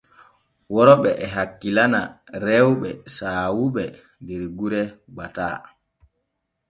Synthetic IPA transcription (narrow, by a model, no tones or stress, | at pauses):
wɔɾɔɓɛʔɛɦakːilana | ɾɛwɓɛ̰saːwuɓɛ | ndɛɾɡuɾɛɡ͡bata̰ː